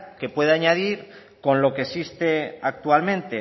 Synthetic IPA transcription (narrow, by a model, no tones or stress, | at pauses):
ke̞pwe̞ðeaɲað̞iɾ | ko̞nlo̞kesist̪e̞ak̚t̪ualmẽ̞nt̪e